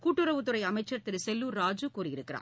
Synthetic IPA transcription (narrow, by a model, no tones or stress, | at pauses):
kuːʈːɯɾɐʋɯt̪̬ːɯɾɐɪɐmɐɪt͡ʃːɐɾt̪ɪɾɯsɛlːuɾaːd͡ʒɯkuːrijɪɾɯkːɪɾa̰ː